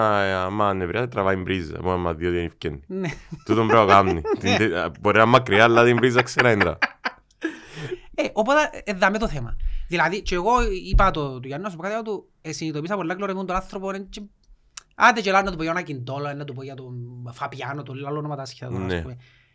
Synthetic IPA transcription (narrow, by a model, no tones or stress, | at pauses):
mːanːevɾiɐset̪ɾɐvɐimbɾizːɐ̰moemːɐðjoðienifcenːinet̪ut̪ombɾeɣamnit̪inboɾiɐmːɐkɾialːaðimvɾizːɐkseɾɐind̪ɾɐ̰ | eʔopot̪ɐʔeðːɐmet̪oθemɐ̰ðilɐðit͡ʃeeɣoipɐt̪ot̪uʝɐnonɐs̬upokat̪iat̪u | esinit̪oisɐpolːɐkloɾemund̪onanθɾoponent͡ʃe | ɐ̰d̪et͡ʃelanːɐt̪upojanɐcind̪oloenːɐt̪upoʝɐt̪ofɐpjanot̪olːalonomɐt̪ɐsçe̥t̪ɐt̪nɐsepumi